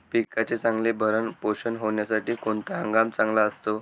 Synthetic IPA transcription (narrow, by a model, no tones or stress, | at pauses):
pikat͡ɕet͡sãŋɡlebʱəɾəɳpoɕənɦoʋɳjasaʈiːkoɳt̪aãŋɡamt͡sãŋɡlaəst̪o